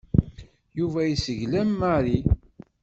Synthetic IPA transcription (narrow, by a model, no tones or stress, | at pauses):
juvæjisəʝlæmaɾi